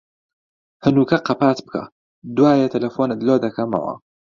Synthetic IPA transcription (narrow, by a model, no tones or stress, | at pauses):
hɨnuːkɐqɐpaːt̪bɨkʰa̰ | d̪uwaːjet̪ʰɐlɐfonɐd̪loːd̪ɐkʰɐmɐ̰wɐ̰